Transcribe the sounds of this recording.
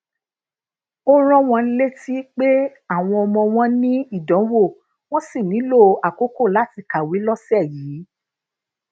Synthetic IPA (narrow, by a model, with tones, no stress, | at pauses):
o˦ɾ̃ɔ̃˦w̃ɔ̃˧n̩˦le˦ti˦k͡pe˦a˦˨w̃ɔ̃˧ɔ˧mɔ̃˧w̃ɔ̃˦nĩ˦i˦˨dɔ̃˨˦wo˦˨ | w̃ɔ̃˦si˦˨nĩ˨˦lo˦˨a˨ko˨˦ko˦˨la˨˦ti˧˨ka˨wi˨˦lɔ˦sɛ˦˨jiː˨˦